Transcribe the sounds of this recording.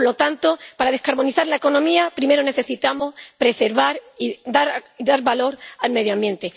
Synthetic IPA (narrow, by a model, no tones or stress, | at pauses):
lo̞t̪ant̪o̞paɾað̞ehkaɾβo̞niθaɾlaeko̞nõ̞miapɾime̞ɾone̞se̞sit̪amo̞spɾe̞seɾβaɾid̪aɾiðaɾβalo̞ɾalme̞ð̞joãmbje̞nt̪e